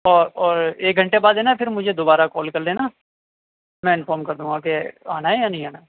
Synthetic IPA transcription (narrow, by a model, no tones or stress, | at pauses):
ɔːɾɔːɾeːk̚ɡʱɐ̃ɳʈebaːd̪ɦɛːnapʰɪɾmʊd͡ʒʱed̪obaːɾakɔːlkɐɾleːna | mɛ̃ɪnfɔːɾmkɐɾd̪ũːŋɡakea̰ːnaejanɐɦĩaːna